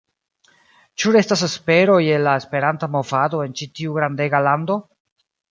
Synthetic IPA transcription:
t͡ʃuɾe̞stas̬espe̞ɾo̞je̞lːaespe̞ɾantamo̞vado̞e̞nt͡ʃitiuɡɾande̞ɡalando̞

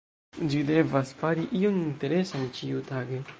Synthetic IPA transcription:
d͡ʒide̞vasfaɾiʔioninte̞ɾe̞sant͡ʃiutaɡe

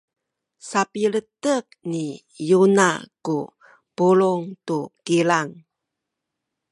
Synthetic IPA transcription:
sapilət̪ək̚ni | juna̰ku | puluŋt̪ukilaŋ

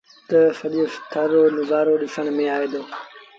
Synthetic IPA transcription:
t̪ɐsɐɗjost̪ʰɐɾonʊɡaːɾoɗɪsəɽ̃mẽaːed̪oː

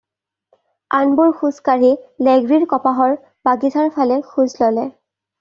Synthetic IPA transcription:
anbuɹxuskaɹilɛɡɹiɹkɔpaɦɔɹ | b̥aɡitʰaɹpʰalɛxuzlɔlɛ

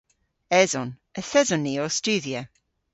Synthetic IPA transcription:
ɛzɔn | əθɛzɔniɔstʉðiə

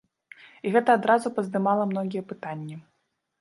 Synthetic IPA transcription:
iɣɛt̪ɐad̪ɾazupɐzd̪ɨmalˠɐmnɔɣʲijɛpɨt̪anʲːɐ

